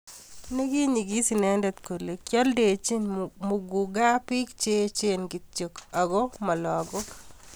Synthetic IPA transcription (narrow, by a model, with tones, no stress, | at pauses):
ne˦ɡi˦ɲi˨ɡi˦si˨nɛ˨˦ndɛ˨t̪ko˨le˨kjɔ˦lde˨t͡ʃi˦nmʊ˨ɡu˨ɡa˦pi˦kt͡ʃe˦t͡ʃe˦nɡɪ˨tt͡ʃo˨ka˨ɡɔ˦ma˨lɔ˨ɡo˦k